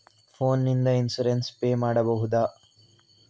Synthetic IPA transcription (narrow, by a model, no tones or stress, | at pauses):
pʰoːnːind̪ɐinsɐɾenspeːmaːɽɐbɐɦud̪aː